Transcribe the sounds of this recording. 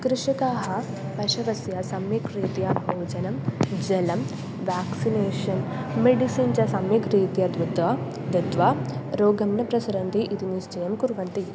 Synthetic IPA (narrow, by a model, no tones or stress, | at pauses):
kɾɪʂikaːɦɐ | pɐʂɐʋɐsjɐsɐmjɐkɾiːt̪jabʱoːd͡ʒɐnɐmd͡ʒɐlɐm | ʋaːksineːʂɐnmeɖisiːnt͡ʃɐsɐmjɐkɾiːt̪jɐd̪ɾud̪ʋɐa | d̪ɐd̪ʋaːɾoːɡɐmnɐpɾɐsɐɾɐnt̪iʔid̪inist͡ʃɐjɐmkuɾʋɐnt̪i